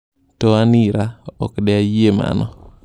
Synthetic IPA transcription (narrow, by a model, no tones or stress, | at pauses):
tɔaniɾaɔ̰kɗɛajema̰nɔ